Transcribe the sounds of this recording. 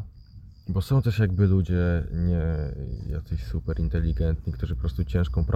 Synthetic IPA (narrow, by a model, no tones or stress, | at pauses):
bɔsɔ̃w̃t̪ɛʂjaɡ̚bɘlud͡ʑɛɲɛja̰t̪sɛɕsupɛɾʔint̪ɛlʲːiɡɛnt̪ɲikt̪uʐɘpɔpɾɔst̪ut͡ɕɛ̃ʂkɔ̃w̃pɾ